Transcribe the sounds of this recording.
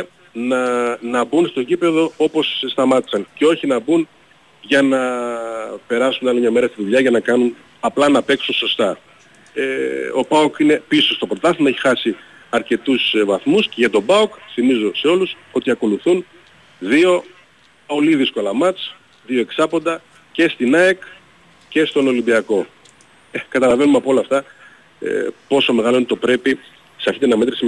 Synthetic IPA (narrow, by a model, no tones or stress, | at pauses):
nɐnɐbunst̪o̞ɟipe̞ðo̞o̞po̞sst̪ɐmɐt̪i̥sɐnce̞o̞çinɐbun | ʝɐnɐ | pe̞ɾɐsunɐlimɲɐme̞ɾɐst̪iðuʎɐʝɐnɐkɐnun | ɐplɐnɐpe̞ksunso̞st̪ɐ | eo̞̰bɐukine̞piso̞st̪o̞pɾo̞t̪ɐsimɐeçi̥xɐsi | ɐɾce̞t̪usvɐθmusceʝɐt̪o̞bɐukθimizo̞se̞o̞lus | o̞t̪iɐko̞luθun | ðio̞ | o̞liðisko̞lɐmɐt͡s | ðio̞e̞ksɐpo̞nd̪ɐ | ce̞st̪inɐek | ce̞st̪o̞no̞limbiɐko̞ | ekɐt̪ɐlɐve̞numeɐpoo̞lɐft̪ɐ | ḛpo̞so̞me̞ɣɐloint̪opɾe̞pi | sɐɾçit̪enɐme̞t̪ɾis